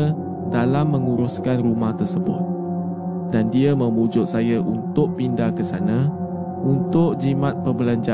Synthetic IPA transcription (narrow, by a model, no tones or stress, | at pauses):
dalamːə̃ŋuɾʊskanrumaht̪ərsəbʊ̰t̪̚ | dandiəmə̃mud͡ʒʊʔ̚sajaʔunt̪ʊʔpindakəsanã | unt̪ʊʔ̚d͡ʒimãt̪̚pəbəlaɲd͡ʒa